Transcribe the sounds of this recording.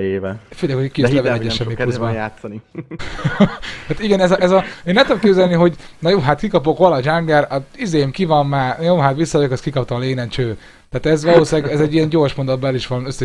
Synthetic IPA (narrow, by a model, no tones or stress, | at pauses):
eːvɛføjlɛːkhokislɛvɛɛɟːɛʃɛmːiuzbɔjaːt̪sːɒni | haːt̪iɡɛnɛzɒɛzɒeːnɛmt̪ud̪okeːbzɛlniɦo̞ɟnɒjoːɦat̪kikɒpo̞kʋolɒʒaŋɡɛrɒizeːjemkivɒmːaːrjoːɦat̪ʋisːɒjokɛskikɒpt̪ɒleːnɛnt͡ʃøː | t̪aːt̪ɛzʋɒloːsaːɡɛzɛɟːijɛnɟo̞ːrʃmond̪od̪bɛliʃʋɒnøsːɛ